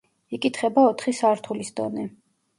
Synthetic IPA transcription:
ikʼit̪ʰχɛbaɔt̪ʰχisaɾt̪ʰulisd̪ɔ̰nɛ

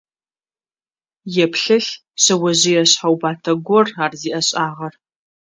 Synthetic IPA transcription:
jɛpʰɬɨɬ | ɕɐwɐʑɪjɐɕħawbaːtʰɐɡʷɔraːrziːʔɐɕʼaːʁɐr

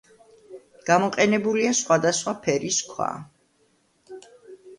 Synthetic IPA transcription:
ɡ̥amɔqʼɛnɛbuliasχwad̪asχwapʰɛɾiskʰwa̰

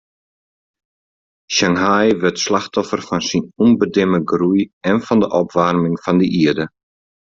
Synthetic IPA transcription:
ʃaŋɦajʋɪtslaxtɔfərfɔnsinunbədɪməɡrujɛnfɔndəʔɔpʋarmɪŋfɔndəʔiədə

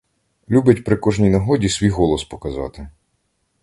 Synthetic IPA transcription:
lʲubɪtʲpɾɪkɔʒnʲijnɐɦɔdʲisʲʋʲijɦɔlˠɔspɔ̥kɐzɑ̰t̪ɪ

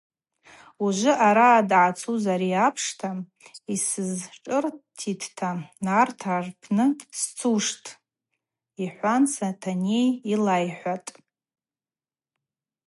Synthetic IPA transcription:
uʒʷʊʔaɾaːdʕat͡sʰuzaɾiapʰʂtʰa | isɨzʈ͡ʂʼɨrtʰitʰtʰanartʰarpʰnɨst͡sʰuʂtʼ | iħʷant͡sʰatʰanejilajħʷatʼ

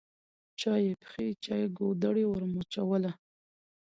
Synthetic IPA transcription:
t͡ʃɑjepxet͡ʃɑjeɡod̪əɽewəɾmot͡ʃawəla

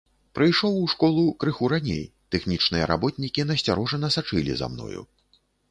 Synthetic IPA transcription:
pɾɨjʂɔwuʂkɔlˠukɾɨxuɾanʲḛj | t̪ɛxnʲit͡ʂnɨjɐɾa̰bɔt̪ʲnʲikʲinɐsʲt͡sʲaɾɔʐɐnɐsat͡ʂɨlʲḭza̰mnɔ̰jṵ

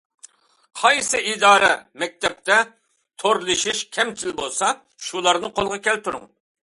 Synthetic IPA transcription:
qʰɑjsɨid̪ɑːɾɛ̰mɛk̚ʲt̪ɛp̚t̪ɛ | t̪ʰoɾlˠɨʃiʃkʲʰɛmt͡ʃʰilbolˠsɑ | ʃulˠɑɾnɨqolˠʁɑkʲɛlt̪uɾʊ̰ŋ

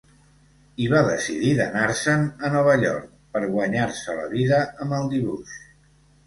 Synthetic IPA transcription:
iβaðəsḭðiðənaɾsənənɔβ̞əʎɔ̰ɾk̚ | pəɾɣwəɲaɾsələ̰βiðəəmbəlˠd̪iβuʃ

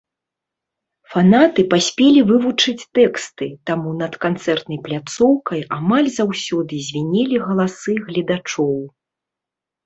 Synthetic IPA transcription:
fanat̪ɨpasʲpʲelʲivɨvut͡ʂɨt͡sʲt̪ɛkst̪ɨt̪amunɐt̪kant̪sɛrt̪nɐjplʲat̪sɔwkɐjamalʲzawsʲɔd̪ɨzʲvʲinʲɛlʲiɣɐlˠasɨɣlʲid̪at͡ʂɔw

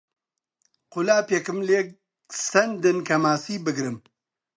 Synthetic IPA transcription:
qʊlaːpjekɨmle | sɐnd̪ɨnkʰɐmaːsiːbɨɡɾɨm

